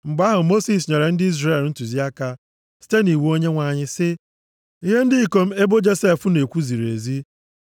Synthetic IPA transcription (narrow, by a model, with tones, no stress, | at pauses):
ŋ͡m̩˨ɡ͡ba˦ɦʊ˨mo˦si˨s̬ɲe˨ɾe˨n̩˦dɪ˦i˦zre˦˨ln̩˦tu˨zi˦a˦ka˦ | si̥˦te˦ni˨wu˦o˦ɲe˦ŋʷa˨ɲɪ˦sɪ˦ | i˦ɦe˦n̩˦dɪ˦i˨ko˦m̩˦e˦bo˦d͡ʒe˦se˦fʊ˦ne˨kʷu˦zi˨ɾḛ˨zi˦